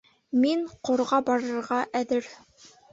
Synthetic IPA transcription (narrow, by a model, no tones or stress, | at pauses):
miɴqŏɾʁɑbɑɾɤ̆ɾʁɑʔæðɘɾ